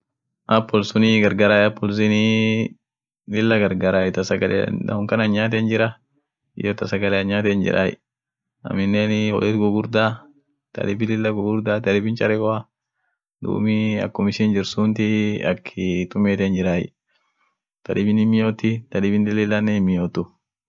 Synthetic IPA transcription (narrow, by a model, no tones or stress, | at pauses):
ʔɐpːɔlsʊnɪɡɐɾɡaːɾaːjɐpːɔls̬ɪnɪ | lɪlːɐɡɐɾɡaːɾaːjɛt̪ɐsɐɡɐlɛ̰dɐ̰hʊŋkɐnɐɲːaːt̪̬ɛnd͡ʒɪɾɐ | ɪ̰jot̪ɐsɐɡɐlɛɐɲːaːt̪ɛnd͡ʒɪ̰ɾʔa̰ːjɪ̰ | ɐ̰mɪnːeːnhɔ̰lɛt̪ɡʊɡʊɾd̪aː | t̪ɐ̰dɪbɪlɪlːɐɡʊɡʊɾd̪aːt̪ɐlɪbɪnt͡ʃɐɾɛɡɔa | d̪ṵːmɪɐ̰kːʊmɪʃɪnd͡ʒɪɾsuːnt̪ɪɐ̰kːɪt̪ʊmeːt̪ɛnd͡ʒɪɾaːjɪ̰ | t̪ɐᶑɪbɪnɪmɪjoːt̪ːɪt̪ɐᶑɪbɪnd̪ɪlɪlːɐnːemːɪjoːt̪ːʊ